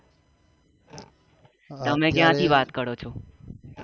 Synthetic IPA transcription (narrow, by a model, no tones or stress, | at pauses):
t̪əmekjãt̪ʰiʋat̪kəɾot͡ʃʰo